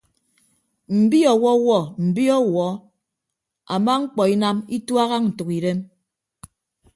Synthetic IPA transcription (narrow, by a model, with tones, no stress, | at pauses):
m̩˨bi˦ɔ˨wɔ˦wɔ˦˨m̩˨bi˦ɔ˦wɔ˨˦ | a˨ma˦ŋ̩˦k͡pɔ˨i˦na˦mi˦twa˦ɣa˦n̩˨tu˨ki˨ɾe˦m